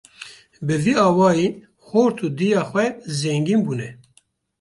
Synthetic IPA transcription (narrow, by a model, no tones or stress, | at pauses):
bɨviɑːwɑːji | xoːɾt̪ʰud̪ijɑːxwɛzɛŋɡiːnbuːnɛ